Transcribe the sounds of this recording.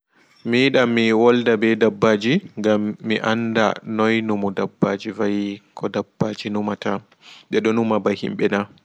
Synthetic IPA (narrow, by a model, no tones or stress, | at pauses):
miɗamːiwɔldabɛdabːaːd͡ʒiŋɡamːiʔa̰nda̰nɔjnumɔdabːaːd͡ʒivajkʰɔdabːaːd͡ʒinumata | ɗɛɗɔnumabahḭmɓɛna